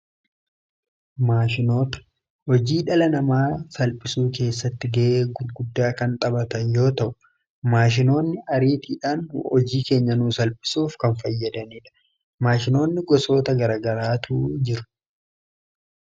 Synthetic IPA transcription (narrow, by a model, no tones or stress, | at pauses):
maːʃɪno̞ːt̪ɐ̥ | hɔd͡ʒiːᶑɐlɐnɐmaːsɐlpʼɪsuːke̞ːsːɐt̪ːɪɡɐʔeːɡʊɾɡʊd̪ːaːkɐnt̪ʼɐbɐt̪ɐnjo̞ːt̪ɐʔʊ̥ | maːʃ̬ɪno̞ːnːɪʔɐɾiːt̪iːᶑaːnhɔd͡ʒiːke̞ːɲːɐnuːsɐlpʼɪ̥suːfkɐnfɐjːɐd̪ɐniːᶑɐ̥ | maːʃɪno̞ːnːɪɡɔso̞ːt̪ɐɡɐɾaːɡɐɾaːt̪uːd͡ʒɪɾʊ̥